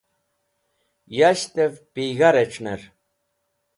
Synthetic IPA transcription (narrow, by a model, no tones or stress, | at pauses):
jaɕt̪evpiɣaɾeʈ͡ʂʰneɾ